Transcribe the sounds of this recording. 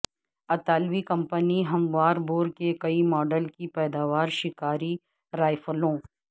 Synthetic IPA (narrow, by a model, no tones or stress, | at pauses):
ɐt̪aːlʋikɐ̃mpəniɦɐmʋaːɾboːɾkekɐimɔːɖəlkipɛːd̪aːʋaːɾʃɪkaːɾi | ɾaːɪfʰəlõː